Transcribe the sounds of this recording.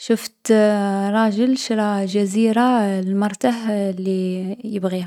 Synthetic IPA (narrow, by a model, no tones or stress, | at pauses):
ʃəft̪ɾˤɑʒəlʃɾˤɑʒæziɾallmʊɾˤt̪aħlːijəbɣiha